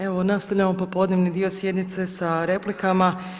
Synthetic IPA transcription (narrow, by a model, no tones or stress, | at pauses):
e̞ʋo̞nast̪aʋʎʲamo̞popo̞d̪neʋnid̪io̞sje̞d̪nit̪se̞saɾe̞plikama